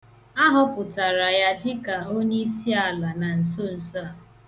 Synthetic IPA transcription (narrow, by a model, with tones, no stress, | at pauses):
a˦ɦʊ˦pʊ˨ta˨ɾa˨ja˦dɪ˦ka˨o˦ɲe˦i˦si˦a˨la˨na˨n̩˨so˦n̩˨sa˦a˨